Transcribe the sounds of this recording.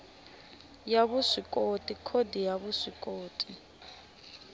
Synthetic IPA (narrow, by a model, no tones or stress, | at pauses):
jaβusikʼotʼikʰodijaβusikʼoːtʼi